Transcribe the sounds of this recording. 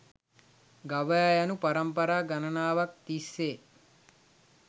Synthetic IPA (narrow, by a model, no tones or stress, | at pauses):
ɡaʋəajanupaɾɐmpɐɾaːɡanɐnaːʋak̚t̪isːeː